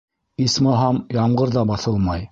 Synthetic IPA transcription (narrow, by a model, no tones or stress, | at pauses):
ismɑɦɑmjɑɴɢɤ̆ɾðɑbɑθɤlˠmɑj